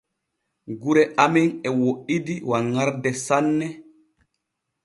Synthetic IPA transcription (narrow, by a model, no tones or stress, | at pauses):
ɡuɾɛʔamɛnɛwoʔidiwaŋːaɾdɛsanːɛ